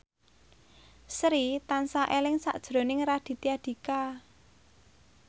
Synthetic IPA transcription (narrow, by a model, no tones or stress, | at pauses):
sɾit̪ansaʔelɪŋsa̰ʔd̥ʒ̥ɾo̤nɪŋɾad̥i̤t̪iad̪̥i̤ka